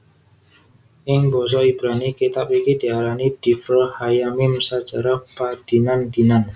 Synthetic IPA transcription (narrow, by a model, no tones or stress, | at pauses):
ʔɪŋbɔs̬ɔib̥ɾanikit̪apikid̪̥i̤alanid̪̥i̤fəlhajamɪmsat͡ʃaɾapad̪̥i̤nand̪̥i̤nan